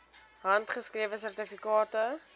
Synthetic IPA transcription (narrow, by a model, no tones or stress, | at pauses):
ɦɐntχəskriəvəsærtifikɑːtə